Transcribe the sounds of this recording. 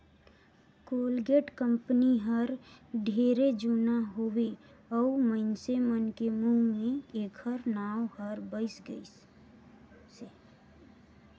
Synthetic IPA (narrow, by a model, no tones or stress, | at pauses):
koːlɡeːʈkə̃mpniɦəɾɖʱeːɾed͡ʒunaɦoːwe | ɔuməɪnsemənkemũmẽeːkʰəɾnaːwhəɾbəɪsɡəis | se